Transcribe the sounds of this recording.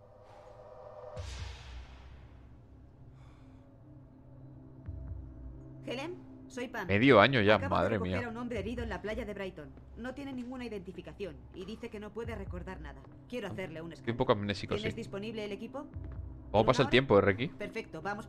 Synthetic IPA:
xe̞le̞mso̞jpanmeðjoaɲoʝakama̰ðɾemiaeɾaunõ̞mbɾe̞ːɾiðo̞enlaplaʝaðe̞βɾajt̪o̞nː | o̞t̪je̞ne̞nĩŋɡunaiðe̞nt̪ifikaθjo̞n | iðiθe̞ke̞no̞pwe̞ðe̞re̞ko̞ɾðaɾnaða | kje̞ɾoaθe̞ɾle̞uneskɾiumpokamenesikoseizðispo̞niβleːle̞kipo̞komopasalt̪je̞mpoerekipe̞ɾfe̞k̚t̪oβamos

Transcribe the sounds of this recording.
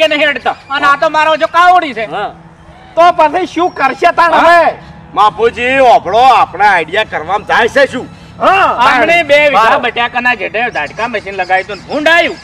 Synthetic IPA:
kenəɦĩəɽt̪aənãt̪omaɾõd͡ʒokãoɽit͡ʃʰeɦa | t̪opəsiʃũkəɾʃet̪añe | mãpud͡ʒiɔbʱɭoapɽ̃aːjɖijakəɾʋamd͡ʒajt͡ʃeʃũ | ɦãaaɽ̃ibeʋikɾabəʈjakənad͡ʒeʈẽd̪ʱaɖkaməʃinləɡaʋjt̪ũnbʱũɳɖajũ

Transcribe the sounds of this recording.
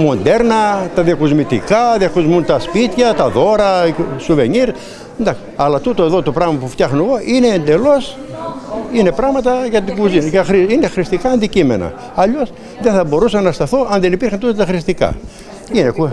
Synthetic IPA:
mo̞nd̪e̞ɾnɐt̪ɐðiɐkuzmit̪ikɐðiɐkuzmunt̪ɐspit̪çɐt̪ɐðo̞ɾɐsuve̞ɲiɾ | nd̪ɐksɐlɐt̪ut̪oeðot̪opɾɐɣmɐpuft̪jɐxnoɣoʔineːnd̪e̞lo̞s | ine̞pɾɐɣmɐt̪ɐʝɐt̪iɡuzinxɾiinexɾist̪ikɐːnd̪icime̞nɐ̰ | ɐʎo̞s | ðeθɐbo̞ɾusɐnːɐst̪ɐθoʔɐnðenipiɾxɐnt̪ut̪ot̪ɐxɾist̪ikɐ̰ | ineku

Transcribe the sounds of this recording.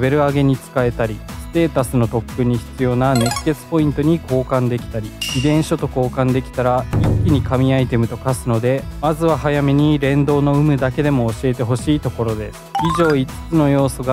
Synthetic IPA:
be̞ɾɯ̟aɡe̞ɲ̟it͡sɨ̥kae̞t̪aɾʲisɨ̥t̪e̞ːt̪asɨno̞t̪o̞kːɯ̟ɲ̟ːiçi̥t͡sɨjo̞nane̞kkːe̞t͡sɨ̥po̞ĩnt̪o̞ɲ̟iko̞ːkãnd̪e̞kʲi̥t̪aɾʲiid̪ẽ̞ɰ̃ɕo̞t̪o̞ko̞ːkãnd̪e̞kʲi̥t̪aɾaikʲːiɲ̟ikamʲiait̪e̞mɯ̟t̪o̞kasɨno̞d̪e̞mazɨβaɦajame̞ɲ̟iɾẽ̞nd̪o̞ːno̞ɯ̟mɯ̟d̪ake̞d̪e̞mo̞ːɕie̞t̪e̞ɦo̞ɕiːt̪o̞ko̞ɾo̞d̪e̞sɨ̥iʑo̞ːit͡sɨ̥t͡sɨno̞jo̞ːso̞ɡa

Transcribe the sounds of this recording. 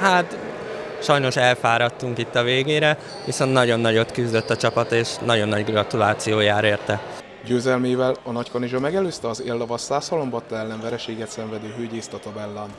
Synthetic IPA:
hat̪ | ʃɒjno̞ʃɛlfaːɾɒt̪ːuŋkit̪ːɒveːɡeːɾɛ | ʋiso̞nt̪nɒɟo̞nːɒɟo̞t̪kyzd̪ø̞t̪ːɒt͡ʃɒpɒt̪eːʃnɒɟo̞nːɒɟɡrɒt̪ulaːt̪sijoːjaːɾeːrt̪ɛ | ɟøːzɛlmeːvɛlɒnɒckoniʒomɛɡɛløːst̪ɛɒzeːlːɒvɒsaːshɒlombɒt̪ːɛɛlːɛɱvɛɾɛʃeːɡɛt̪sɛɱvɛd̪øːɦøːɟeːst̪ɒt̪obɛlːɛn

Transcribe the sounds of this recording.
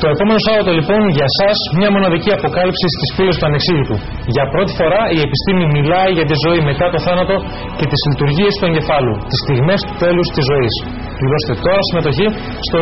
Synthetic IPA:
t̪o̞e̞po̞me̞no̞sɐɾot̪olipo̞nʝɐsɐzmɲɐmo̞nɐðiciɐpo̞kɐlipsist̪isfilost̪uɐneksiʝit̪u | ʝɐpɾo̞t̪i̥fo̞ɾɐie̞pist̪imimilɐiʝɐt̪izo̞ime̞t̪ɐt̪o̞θɐnɐt̪o̞ | ce̞t̪izlit̪uɾʝie̞st̪ue̞ɲɟe̞fɐlṵt̪ist̪iɣme̞st̪u̥t̪e̞lust̪izːo̞is | t̪ilo̞st̪e̞t̪o̞ɾɐsime̞t̪o̞çi | st̪o

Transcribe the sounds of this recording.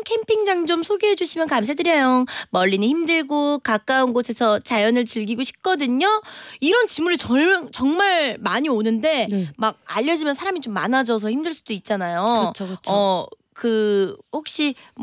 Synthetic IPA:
kʰe̞mpʰiŋd͡ʑaŋd͡ʑomsʰoɡeɦe̞d͡ʑuɕʰimjʌnkams̬ʰadɯɾjʌjomʌʎːiniçimdɯɭɡokak͈aunɡosʰe̞sʰʌt͡ɕajʌnɯɭt͡ɕɯɭɡiɡoɕʰi̥p̚k͈ʌdɯɲoiɾʌnt͡ɕimuɾɯt͡ɕʌɭt͡ɕʌŋmaɭmaɲionɯnde̞maɡ̚a̰ʎːʌd͡ʑimjʌnsʰaɾamit͡ɕomːa̰nad͡ʑʌsʰʌçimdɯɭs͈ud̥oit̚t͡ɕ͈anajot͡ɕʰoɯt͡ɕʌ | kɯhok̚ɕ͈i

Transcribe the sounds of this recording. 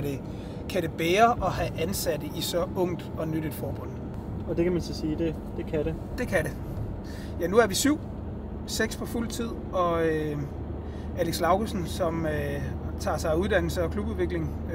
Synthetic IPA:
de̝ | kʰæɾ̥e̝b̥eːɐʔɒ̽ɦæʔænsædəʔisɒ̽ɔ̽ŋ̰d̥ɒ̽nydɾ̥ed̥fɒːb̥ɔ̽n̰ | ɒ̽d̥e̝kʰæmænsɒsiːd̥e̝ | d̥e̝kʰæɾe̝ | d̥e̝kʰæɾe̝ | jænuæɐʋisyʊ̰ | seɡ̥spʰɒ̽ful̰t͡sʰið̞̰ˠɒ̽ø | æleɡ̥slɑ̈ʊɡ̥osn̩sɒ̽møt͡sʰɑ̰̈ːsɑ̈ɪuð̞ˠd̥æn̰l̩səɒ̽kʰlub̥uðˠʋe̝ɡ̥le̝ŋ

